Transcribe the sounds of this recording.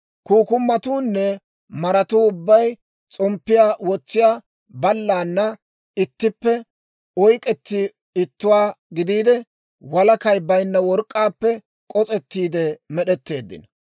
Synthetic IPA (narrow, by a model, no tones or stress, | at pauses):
kuːkʊmːɐt̪uːnːɛ | mɐɾɐt̪uːʊbːɐj | t͡sʼɔmpːɪjaːwɔt͡sːɪjaː | bɐlːaːnːɐ | ɪt̪ːɪpːɛ | ɔjkʼɛt̪ːɪ | ɪt̪ːʊwaːɡɪd̪iːd̪ɛ | wɐlɐkɐjbɐjnːɐwɔɾkʼːaːpːɛ | kʼɔt͡sʼɛt̪ːiːd̪ɛmɛɗɛt̪ːe̞ːd̪ːɪ̰n